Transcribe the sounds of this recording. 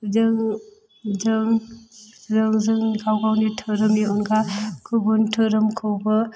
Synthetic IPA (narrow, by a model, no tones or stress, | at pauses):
zɯŋ | zɯŋ | zɯŋzɯŋɡawɡawnitʰɯɾɐmiɔnɡakʰubɔntʰɯɾɯmkʰɯwbɐ